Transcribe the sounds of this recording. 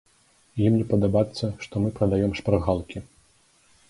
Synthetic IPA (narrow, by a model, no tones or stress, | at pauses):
jimnʲɛpɐd̪abat̪sːɐʂt̪ɔmɨpɾɐd̪ajɛmʂpɾɨɣalˠkʲi